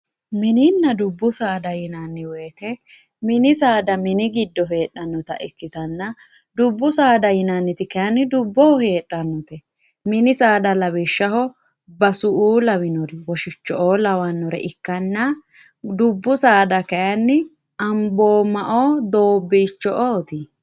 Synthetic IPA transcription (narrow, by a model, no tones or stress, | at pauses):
mɪnɪnːɐd̪ʊbːʊsaːd̪ɐjɪnɐnːɪweːt̪ɛ | mɪnɪsaːd̪ɐmɪnɪɡɪd̪ːɔɦe̞ːt̪ːɐnːɔt̪ɐʔɪkːɪt̪ɐnːɐ | d̪ʊbːʊsaːd̪ɐjɪnɐnːɪt̪ɪkɐjɐnːɪd̪ʊbːɔɔhe̞ːtʼːɐnːɔt̪ɛ | mɪnɪsaːd̪ɐlɐwɪʃːɐhɔ | bɐsʊʔuːlɐwɪnɔɾɪwɔʃɪt͡ʃːɔʔoːlɐwɐnːɔɾɛ̰ʔɪkːɐnːɐ | d̪ʊbːʊsaːd̪ɐkɐjɐnːɪ | ɐmboːmɐʔoːd̪o̞ːbːɛt͡ʃːɔʔoːt̪ɪ